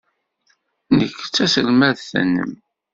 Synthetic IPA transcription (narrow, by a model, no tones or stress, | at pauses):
nəkːt͡sːæsəlmæðθə̰nːə̰m